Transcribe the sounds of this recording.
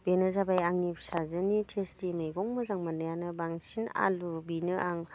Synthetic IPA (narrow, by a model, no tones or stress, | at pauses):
b̥enɯzabajaŋnipʰsazɯnitʰestimajɡɔŋmɐzaŋmanajanɯbaŋsina̰lubinɯʔaŋ